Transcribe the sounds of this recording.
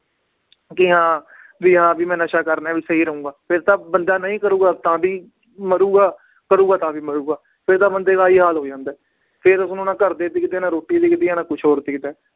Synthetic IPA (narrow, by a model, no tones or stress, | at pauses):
kɪɦãː | ʋiːɦãːbiːmɛ̃ːnəʃaːkəɾnɛːʋiːsəɦiːɾəũːɡaːpʰɪɾt̪ãːbənd̪aːnəĩːkəɾũːɡaːt̪ãːbiː | məɾuːɡaː | kəɾuːɡaːt̪ãːbiːməɾuːɡaː | pʰɪɾt̪ãːbənd̪eːɡaːiːɦaːlɦoːd͡ʒãːnd̪ɛː | pʰɪɾʊsnũːnãːkəɾd̪eːd̪iːkɪt̪eːnãːɾoːʈːiːd̪iːkɪt̪eːãːnãːkʊt͡ʃʰɦoːɾt̪iːkɪt̪ɛː